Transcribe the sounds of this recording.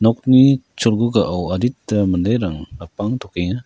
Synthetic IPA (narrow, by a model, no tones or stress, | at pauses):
nɔk̚nit͡ʃɔlɡuɡaʔawaditːamandajɾaŋlapaŋtʰɔkejŋa